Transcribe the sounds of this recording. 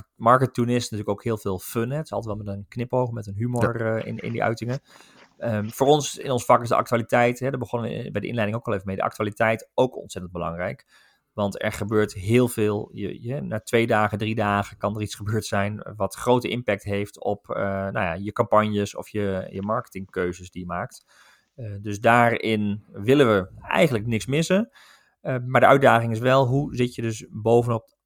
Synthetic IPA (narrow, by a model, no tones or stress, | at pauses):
mɑɹkətunɪsnətyːəkowkɦɪːlˠvɪːlˠfønɦɛtɪ̥sɑlˠtətʋɛlˠmɛtənknɪpowχmɛtənɦymoɹɪ̰nɪ̰ndḭʔœ̰ɥtɪŋə | əfoːrɔnsɪ̰nɔnsfɑkɪszdəʔɑ̰ktyaːlitɛjtɦɛdəɹbəχɔnəʋə̰bɛjdəʔɪ̰nlɛjdɪŋowkʋɑlˠevəmejdə̰ʔɑ̰k̚tyaːlitɛjtowkɔ̰ntsɛtənd̚bəlɑ̰ŋrɛjk | ʋɑntɛ̰ɹχəbøːɹtɦɪːlˠvɪːlˠjə̰ɛnaːtʋejdaːχədridaːχəkɑndəritsχəbøːɹtsɛjnʋɑtχrowtəʔɪmpɛk̚tɦejftɔpna̰wja̰jəkɑmpɑnjəsɔ̰fjəjəmɑɹkə̥tɪŋkøɥzəsdijəmaːk̚t | døsdaːɹɪnʋɪləʋəɛ̰jχəndləknɪksmɪsə | maːɹdəœɥ̚daːχɪŋɪs̬ʋɛlˠɦuzɪtjədøsbowvənɔp̚